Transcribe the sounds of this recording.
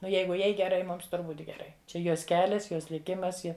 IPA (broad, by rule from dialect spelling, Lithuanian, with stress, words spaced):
ˈnʊ ˈjɛɪɡʊ ˈjɛɪ ɡʲɛˈrɐɪ ˈmʊms ˈtʊr ˈbuːtʲ ɡʲɛˈrɐɪ ˈt͡ʃʲɛ ˈjoːs ˈkʲæːlʲɛs ˈjoːs lʲɪˈkʲɪmɐs ˈjɪ